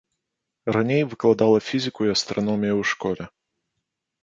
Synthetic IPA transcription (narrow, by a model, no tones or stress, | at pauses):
ranʲejvɨklˠad̪alˠɐfʲizʲɨkuiɐst̪ɾʔanɔmʲijuwʂkɔlʲɛ